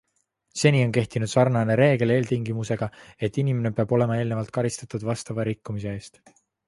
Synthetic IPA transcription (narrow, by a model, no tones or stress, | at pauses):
se̞nio̞nke̞ht̪inud̪̥sɑrnɑne̞ɾe̞ːɡ̥e̞le̞ːlt̪iŋɡimuse̞ɡ̥ɑe̞t̪ːˑinime̞ne̞peɑb̥o̞le̞mɑe̞ːlne̞vɑlt̪̚kɑɾist̪ɑt̪ˑud̪vɑst̪ɑvɑɾikːumis̬e̞e̞ːst̪